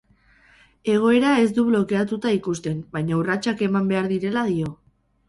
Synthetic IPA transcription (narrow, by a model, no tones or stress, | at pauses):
e̞ɣ̞o̞e̞ɾae̞zd̪uβlo̞ke̞at̪ut̪aikust̪e̞mbajɲaurat͡ʃake̞mambe̞aɾðiɾe̞laðio̞